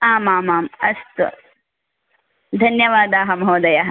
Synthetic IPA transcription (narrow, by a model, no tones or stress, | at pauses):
aːmaːmaːmɐst̪u | d̪ʱɐnjɐʋaːd̪aːɦɐmɐɦoːd̪ɐjaːɦɐ